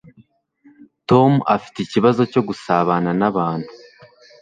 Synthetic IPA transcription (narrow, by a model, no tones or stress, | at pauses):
to̞mua̰fi̥teiciβazo̞co̞ɡusaβananaβaːn̥hu